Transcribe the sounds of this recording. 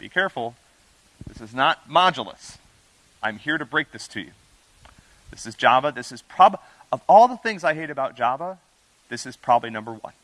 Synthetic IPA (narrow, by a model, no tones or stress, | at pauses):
b̥ḭkʰɛɹfl̩ˠ | ðɪsɨznət̚mɑd͡ʒl̩ˠə̰s | ãɪ̃mhiɹɾɨbɹeɪk̚ðɪstʰɨ̰jʉ̰ | ðɪsɨzd͡ʒɑvəðɪsɨz̥pʰɹ̥ɑb | ʌvɔlˠðəθɪ̃ŋzaɪɦeɪɾɨbaʊt̚d̥ʒ̥ɑvə | ðɪsɨz̥pʰɹ̥ɑbəblinʌ̃mbə˞wʌ̰̃n